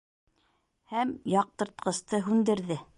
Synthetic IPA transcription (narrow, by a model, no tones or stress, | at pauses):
hæmjɑq̚t̪ɤ̆ɾt̪̚qɤ̆st̪ɤɦʉnd̪ɘ̆ɾðɘ